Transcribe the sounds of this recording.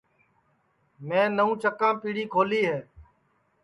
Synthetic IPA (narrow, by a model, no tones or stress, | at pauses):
mẽːnəũːt͡ʃəkãːpiːɽiːkʰoːliːɦeː